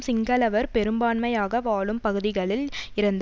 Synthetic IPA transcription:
sɪŋɡɐlɐʋɐɾpɛɾɯmbaːnmɐjaːɣɐʋaːɭɯmpɐɣɯðɪɣɐɭɪlɪɾɐnd̪

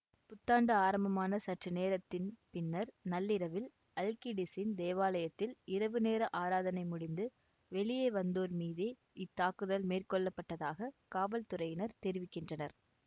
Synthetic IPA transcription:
pʊt̪ːaːɳɖɐaːɾɐmbɐmaːnɐsɐʈrɯneːɾɐt̪ːɪnpɪnːɐɾnɐlːɪɾɐʋɪl | ɐlkiɖɪsɪnd̪eːʋaːlɐjɐt̪ːɪlɪɾɐʋɯneːɾɐʔaːɾaːðɐnɐɪmʊɽɪnd̪ɯ | ʋɛɭɪjeːʋɐnd̪oːɾmiːðeː | ɪt̪ːaːkɯðɐlmeːrkɔɭːɐpːɐʈːɐðaːɣɐkaːʋɐlt̪ʊɾɐjɪnɐɾt̪ɛɾɪʋɪkːɪndrɐnɐɾ

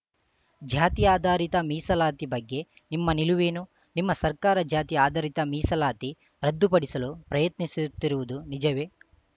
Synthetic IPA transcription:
d͡ʒʱaːt̪ijaːd̪aːɾit̪ɐmiːsɐlaːt̪ibɐɡːe̞ | nimːɐniluʋeːnu | nimːɐsɐɾkaːɾɐd͡ʒaːt̪ijaːd̪ʱaːɾit̪ɐmiːsɐlaːt̪i | ɾɐd̪ːupɐɽisɐlupɾɐjɐt̪nisut̪ːiɾuʋud̪unid͡ʒɐʋe̞

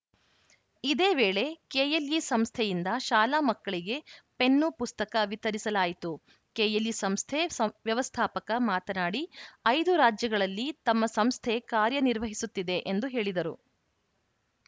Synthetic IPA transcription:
id̪e̞ːʋeːɭe̞keːjeljisɐmst̪ʰɛjind̪ɐʃaːlaːmɐkːɐɭiɡe̞pe̞nːupust̪ɐkɐʋit̪ɐɾisɐlaːjit̪u | keːjelisɐmst̪ʰeʋjɐʋɐst̪ʰaːpɐkɐmaːt̪ɐnaːɽiɐjd̪uɾaːd͡ʒjɐɡɐɭɐlːit̪ɐmːɐsɐmst̪ʰekaːɾjɐniɾʋɐɦisut̪ːid̪e̞ʔend̪uɦe̞ːɭid̪ɐɾu

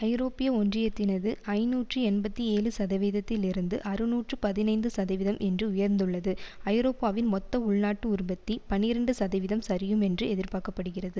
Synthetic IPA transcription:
ɐɪɾoːpɪjɐɔndrɪjɐt̪ːɪnɐðɯɐɪnuːʈrɯɛnbɐt̪ːieːɻɯsɐðɐʋiːðɐt̪ːɪlɪɾɯnd̪ɯʔɐɾɯnuːʈrɯpɐðɪnɐɪnd̪ɯsɐðɐɪʋɪðɐmʔɛndrɯʊjɐɾnd̪ɯɭːɐðɯɐɪɾoːpaːʋɪnmɔt̪ːɐʊɭnaːʈːɯʊɾʊbɐt̪ːipɐnːɪɾɐɳɖɯsɐðɐʋɪðɐmsɐɾɪjɯmɛndrɯɛðɪɾpaːkɐpːɐɽɯɣɪrɐðɯ

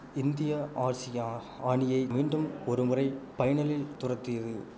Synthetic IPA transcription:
ɪnd̪ɪjɐʔaːɾsɪj | aːɳɪjɐɪmiːɳɖɯmɔɾɯmɯrɐɪpɐjɐɳɐlɪlt̪ʊrɐt̪ːɪjɐðɯ

